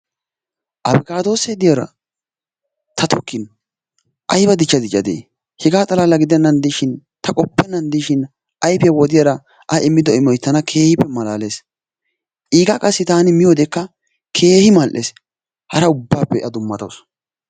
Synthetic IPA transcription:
ʔɐbɪkʼaːd̪o̞ːsɛd̪ɪjɐɾɐ̰ | t̪ʰɐt̪ʰɔkːɪn | ʔɐjbɐd̪ɪt͡ʃːɐd̪ɪt͡ʃʼːɐd̪ḛː | hɛɡaːt̪ʼɐlaːlɐɡɪd̪ɛnːɐnd̪ɪʃɪn | t̪ɐkʼɔpːɛnːɐnd̪ɪʃɪn | ʔɐjpjɐwɔd̪ɪjɐɾɐ | ʔɐʔɪmːɪd̪ɔɪmːɔjt̪ːɐnɐkʰe̞ːhɪpːɛmɐlaːle̞ːs | ʔiːɡakʼɐsːɪt̪aːnɪmɪjoːd̪ɛkːɐ | kʰe̞ːhɪmɐlʔeːs | hɐɾɐʊbːaːpːɛʔɐd̪ʊmːɐt̪ows

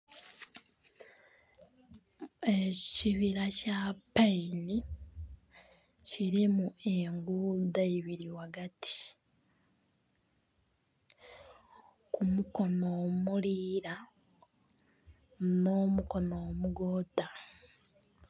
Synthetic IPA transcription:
eciβiɾacapaini | ciɾimueŋɡuːdaeβiɾiwaɡatʰi̥ | kumuko̞nomuliːɾa | no̞muko̞noːmuɡo̞ːda

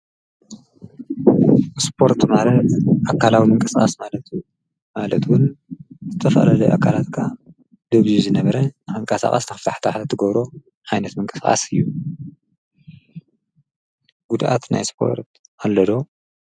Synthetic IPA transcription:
spʰo̞ɾt̪malɐt̪ʔakʰːalawimɨŋkʼɨskʼa̰smalɐt̪ʰu | malɐt̪wʊnzɨt̪ʰɐfɐ̰lalɐʔa̰kʰalat̪kʰa | d̪̥ɨβzizɨnɐβɐɾɐnɨxɨŋkʼasa̰χʼa̰snɨxɨft̪ʰaħt̪ʰaħt̪ʰɨɡɐβɾo̞ | ʕajnɐt̪mɨŋkʼɨsxʼa̰sɨjːu | ɡ̥ud̪ʔa̰t̪na̰jspʰo̞̰ɾt̪ʔalːɐd̪o̞

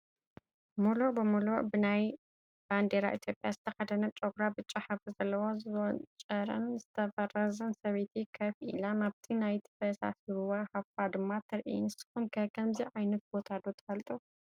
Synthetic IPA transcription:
mulobɨmuloʔbɨnaj | b̥and̪eɾa̰ʔit̪ʰjo̞pʼjazɨt̪ʰɐxɐd̪ɐnɐt͡ʃʼoɡɾabɨt͡ʃʼːaħaɐfɨzɐlːɐwo̞zɨwɔt͡ʃʼɐɾɐ̰nzɨt̪ʰɐfɐɾɐzɐnsɐβet̪ʰikʰɐfʔḭlanaβt̪ʰinajt̪ʰi̥fɐsa̰siɾuwahafad̪ɨmːat̪ʰɨɾʔḭnɨsɨ̥xumkʰɐkʰɐmziʕajnɐt̪̚bot̪ʰad̪ot̪ʰɐ̥fɐlt̪ʼu

